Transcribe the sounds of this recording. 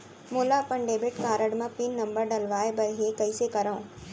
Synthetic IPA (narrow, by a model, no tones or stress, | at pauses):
moːlapɐɳɖeːbɪʈkaːɾəɽmãpinːɐ̃mbəɾɖɐlʋaːebɐɾɦeːkɐisekɐɾaõː